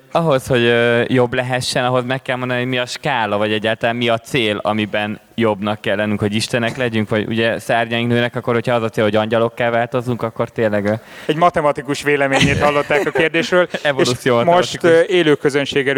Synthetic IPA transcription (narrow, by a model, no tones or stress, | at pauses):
ɒɦo̞sho̞ɟøjo̞blɛɦɛʃːɛnɒɦo̞zmɛkːɛlmo̞nd̪ɒniɦomiɒʃkaːlɒvɒɟɛɟːaːlt̪ɒlaːnmiɒt̪seːlɒ̰mibɛn | jo̞bnɒkːɛlːɛnyŋkho̞ɟiʃt̪ɛnɛklɛɟyŋkʋɒɟṵɟɛsɛrɲɛiŋknøːnɛkɒkːo̞rhocʰhɒɒzɒt̪seːlhoɟɒɲɟɒlo̞kːaːlvaːlt̪o̞zuŋkɒkːo̞rt̪eːlːɛɡøɛɟmɒt̪ɛmɒt̪ikuʃʋeːlɛmeːɲeːt̪hɒlːo̞t̪ːaːkɒkeːrd̪eːʃrøːlɛvolut̪sijoːmtmɛomʃit̪eːløːkːøzønʃeːɡɛl